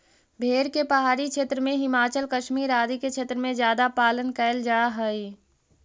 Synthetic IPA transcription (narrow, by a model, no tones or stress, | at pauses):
bʱeːɾkepəɦaːɾikʃʰeːt̪ɾəmẽɦɪmaːt͡ʃəlkəʃmiːɾaːd̪iket͡ʃʰeːt̪ɾəmẽzjaːd̪apaːlənkɛɪld͡ʒaːɦəi